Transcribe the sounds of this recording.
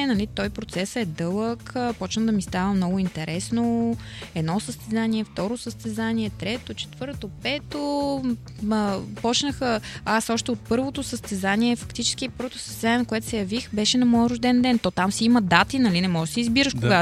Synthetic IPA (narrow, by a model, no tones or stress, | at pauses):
nɐlit̪ɔjpɾot̪sɛsɛd̪ɤlˠəkːpɔt͡ʃnəd̪ɐmist̪avəmnɔɡʊint̪ɛɾʔɛsno | ɛd̪nɔsəst̪ɛzaniɛft̪ɔɾosəst̪ɛzaniɛt̪ɾɛt̪ot͡ʃɛ̥t̪vɤɾt̪opɛt̪o | pɔt͡ʃnəxəasɔʃt̪ɛot̪̚pɤɾvot̪osəst̪ɛzaniɛfɐkt̪it͡ʃɛ̥sk̟ipɤɾvot̪oʊ̥sə̥st̪ɛzanʲiɛnkoɛt̪ʊ̥sɛjɐvixbɛʃɛnɐmɔjəɾʊʒd̪ɛnd̪ɛnt̪ɔt̪amsiiməd̪at̪inɐlinɛmɔʒɛsɛizbiɾəʃkoɡa